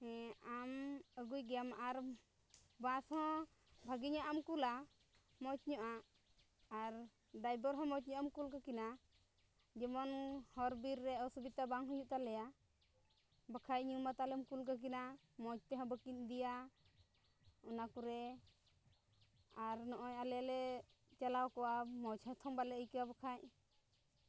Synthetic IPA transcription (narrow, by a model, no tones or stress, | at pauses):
ɛaməɡujɡjamʔaɾ | bãshɔ̃ | bʱəɡiɲaʔamkula | mɔt͡ʃ̚ɲɔʔaː | ɾ | ɖajbəɾɦɔ̃mɔt͡ʃ̚ɲɔʔamkulkakina | d͡ʒɛmɔnhɔɾbiɾːɛɔsubit̪abaŋɦujuʔt̪alɛja | bəkʰajɲumat̪alɛmkulkək̬ina | mɔt͡ʃ̚t̪ɛɦɔ̃bəkiɲ̚d̪ija | ɔnakuɾɛ | aɾnɔʔɔjalɛjalɛt͡ʃalawkɔwamɔt͡ʃhɔt̪ʰɔŋbalɛəjkɛwabəkʰaɲ̚